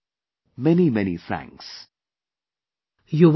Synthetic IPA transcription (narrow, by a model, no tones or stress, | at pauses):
mɛnimɛnḭfɹæ̰̃ŋks | juʋ